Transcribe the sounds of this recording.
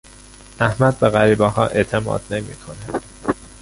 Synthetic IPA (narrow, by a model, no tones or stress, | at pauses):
ʔæhmæd̪̚beɣæɾiːbɒːɦɒ̰ːʔe̞ʔt̪ʰe̞mɒ̰ːd̪ne̞mḭːkʰo̞ne